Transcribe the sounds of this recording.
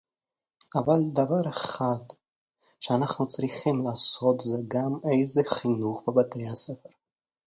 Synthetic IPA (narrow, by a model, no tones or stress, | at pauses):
avald̪avaɾeχad̪ | ʃeanaχnut͡sʁiχimlaːso̞t̪zeɡamejzeχinuχbebat̪ejhasefeɾ